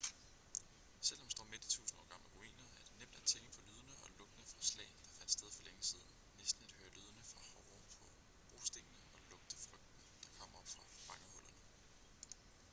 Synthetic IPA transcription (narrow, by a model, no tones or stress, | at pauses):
sel̰ɒmd̥sd̥ɒ̰ːmed̥i̥t͡sʰṵːsn̩ɒ̰ːɡ̥ɑ̈ml̩ɡ̥ʁoḭːnɐæɐd̥enem̰d̥æɐt͡sʰel̩pʰɒ̽lyːð̞ˠɐnəɒ̽lɔ̽ɡ̥ənəfʁɑ̈slɛ̰ɪnd̥ɑ̈fænd̥sd̥eð̞ˠfɒ̽leŋəsiːð̞ˠn̩ | nesd̥n̩æd̥høːɐlyːð̞ˠɐnəfʁɑ̈hɒ | pʰɒ̽ | b̥ʁo̝̰ːsd̥e̝ŋ̥ənəɒ̽lɔ̽ɡ̥̚d̥əfʁœɡ̥̚d̥n̩d̥ɑ̈kʰɒ̽m̰ɒ̽b̥fʁɑ̈b̥ɑ̈ŋəhɔ̽l̰ʔɐnə